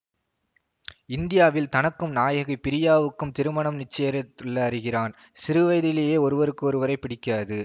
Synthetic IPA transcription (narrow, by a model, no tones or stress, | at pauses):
ɪnd̪ɪjaːʋɪlt̪ɐnɐkːɯmnaːjɐɣɐpːɪɾɪjaːʋɯkːɯmt̪ɪɾɯmɐɳɐmnɪt͡ʃːɐjɐɾɐt̪ːɪɭːɐɾɯɣɪraːn | sɪɾɯʋɐɪðɪleːjeːɔɾɯʋɐɾɯkːɯɔɾɯʋɐɾɐɪpːɪɽɪkːaːðɯ